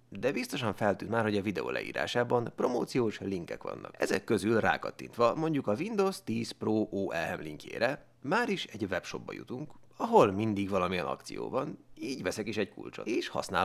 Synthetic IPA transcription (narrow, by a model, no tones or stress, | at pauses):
d̪ɛbist̪o̞ʃɒɱfɛlt̪yːnmaːrho̞ɟɒvid̪ɛo̰ːlʔɛ̰ḭːɾa̰ːʃaːbɒnpro̞moːt̪sijoːʃliŋkɛkʋɒ̰nːɒ̰kɛzɛ̰kːø̞zylra̰ːkɒt̪ːint̪ʋɒmo̞ɲɟukɒvind̪oːst̪iːsproːʔoːʔɛlɛmliŋkḛːɾɛ | maːɾiʃɛɟvɛpʃo̞bbɒ̰jṵt̪uŋkɒɦo̞lmind̪iɡʋɒlɒmijɛnɒ̰kt̪sḭjo̰ːvɒniːɟʋɛsɛkiʃɛckṵlt͡ʃo̰eːʃhɒ̰sna̰ː